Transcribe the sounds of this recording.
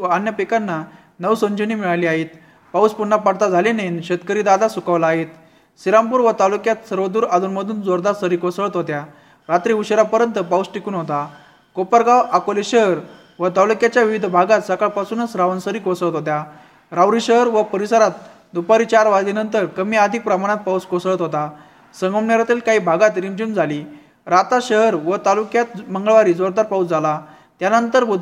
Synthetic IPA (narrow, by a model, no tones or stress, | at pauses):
anjəpekanːa | nəwsəɲd͡ʑənimiɭaliaɦit̪ | pawspuɳːapaɽt̪ad͡zʱalenenɕet̪kəɾiːd̪ad̪asukaʋlaːɦet̪ | siɾampuːɾʋət̪alukjat̪səɾʋəd̪uːɾad̪ʱuːnməd̪ʱuːnd͡zoɾd̪asəɾiːkʋəsəɭət̪ɦot̪ja | ɾat̪ɾiuɕəɾapəɾjənt̪əpawsʈikuːnɦot̪a | kopəɾɡawakoleɕəɦɾ | ʋət̪awlukjat͡ɕjaʋiʋid̪ʱbʱaɡat̪səkaɭpasuːnət͡sɾaʋənsəɾikosɭət̪ɦot̪ja | ɾawɾiɕəɦəɾʋəpəɾisəɾat̪̚ | d̪upaɾit͡ɕaɾʋad̪ʱinənt̪əɾkəmiəd̪ʱik̚pɾəmaɽ̃at̪̚pawskosɭət̪ɦot̪a | səŋɡəmɳjaɾjat̪iːlkaɦiːbʱaɡat̪ɾimd͡ʑuːnd͡zʱali | ɾat̪aɕəɦəɾʋət̪alukjat̪məŋɡəɭʋaɾiːd͡zoɾd̪aɾpaut͡sd͡zala | t̪janənt̪əɾbəd̪ʱ